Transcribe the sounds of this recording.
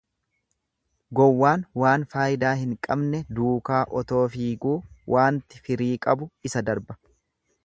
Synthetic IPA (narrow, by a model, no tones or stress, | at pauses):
ɡɔwːaːnwaːnfaːjɪd̪aːhɪŋkʼɐbnɛd̪uːkaːʔɔt̪o̞ːfiːɡuːwʔaːnt̪ɪ̥fɪɾiːkʼɐbʊɪsɐd̪ɐɾbɐ̥